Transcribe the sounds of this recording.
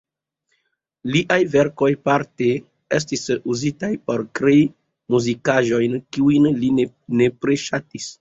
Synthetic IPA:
liʔajve̞ɾko̞jpaɾte | es̬tisuzitajpo̞ɾkɾei | muzikaʒo̞jnkiujnli | ne̞pɾeʃatis

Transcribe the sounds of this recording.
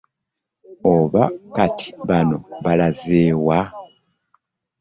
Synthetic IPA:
oβakatʰi̥βano̞βalazeːwa

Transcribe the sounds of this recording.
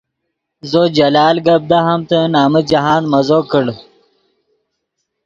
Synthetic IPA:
zod͡ʑɐlaːlɡɐb̚d̪aɦɐmt̪ənaːməd͡ʑɐɦaːnmɐzoːkəɽ

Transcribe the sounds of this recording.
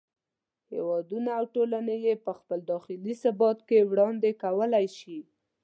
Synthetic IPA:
hḛwɑd̪unaːwʈolanejepəxpəld̪ɑxɪlisabɑt̪kewɽɑnd̪ekawəlajʃi

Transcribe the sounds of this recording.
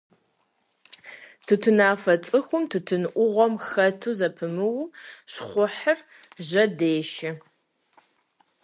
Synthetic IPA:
tʰɨtʰɨnaːfɐt͡sʼɨxʷʊmtʰɨtʰɨnʔʷʊʁʷɔmxɐtʰuːzɐpʰɨmɨwʃχʷʊħərʑɐdeːʃɪ

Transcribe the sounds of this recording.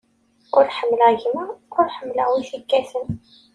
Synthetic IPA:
ʊɾħəmːəlæʝmaʊɾħəmːlawiθəkːæθən

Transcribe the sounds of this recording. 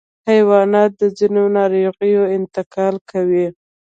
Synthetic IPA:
hajwɑnɑt̪̚d̪əzinonɑɾoɣəjoɪnt̪ɪkɑlkawi

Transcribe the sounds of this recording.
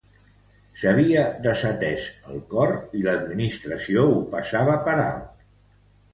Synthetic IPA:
səβ̞iəðəsət̪ɛʃəlˠkɔɾiləd̪minist̪ɾəsioupəsaβəpəɾa̰lˠt̪

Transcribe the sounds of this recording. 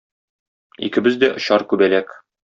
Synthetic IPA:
ḭkɘ̆bɘzd̪æʔŏɕɑɾkʉbælæk

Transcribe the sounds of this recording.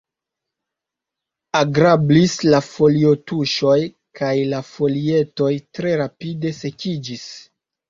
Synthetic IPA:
aɡɾablislafo̞lio̞tuʃo̞j | kajlafo̞lie̞to̞jtɾe̞ɾapide̞se̞kid͡ʒis

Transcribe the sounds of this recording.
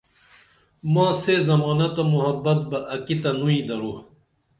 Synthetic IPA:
mãːsezɐmaːnɐt̪ɐmuɦɐbːɐt̪̚bɐʔɐkit̪ɐnuĩd̪ɐɾu

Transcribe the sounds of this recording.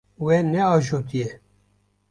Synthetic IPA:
wɛnɛɑːʒoːt̪ijɛ

